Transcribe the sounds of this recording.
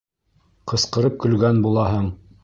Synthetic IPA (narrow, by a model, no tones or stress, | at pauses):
qɤ̆sqɤ̆ɾɤp̚kɵ̆lɡænbulˠɑɦɤɴ